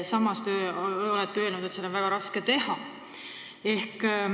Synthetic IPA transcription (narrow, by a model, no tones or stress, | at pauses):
sɑmːɑst̪eːo̞let̪ːˑeølnud̪̥ese̞d̪onvæɡ̥ɑɾɑsket̪e̞hɑ | e̞hk